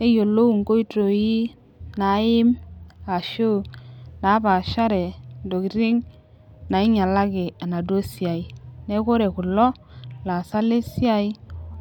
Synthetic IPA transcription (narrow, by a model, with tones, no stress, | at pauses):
ne˦jo˨lːo˦u˨ŋko˦i˦to˨ji˦ | na˨˦ɪ˦ma˨ʃo˦˨na˨˦ba˨ʃa˦ɾɛ˨ndo˨ki˨ɾi˦ŋ | na˨ɪ˦ɲa˨la˦ɡe˨a˨na˨do˦sja˨i˨ne˦ko˦ɾe˨ku˨lɔ˦ | la˨sa˦le˦si˦a˦i˦